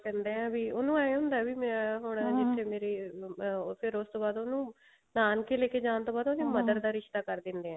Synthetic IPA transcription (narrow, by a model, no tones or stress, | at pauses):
ɛnd̪eːɦɛ̃ːʋiːoːnũːaːeɦʊ̃nd̪aːʋiːmɛ̃ːɦʊɳd͡ʒɪt̪ʰːeːmeːɾeː | pʰɪɾʊst̪õːbaːd̪oːnũː | naːnkeleːkeːd͡ʒãːnt̪õːbaːd̪oːnĩːməd̪əɾd̪aːɾɪʃt̪aːkəɾd̪ɪ̃nd̪eːɛ̃ː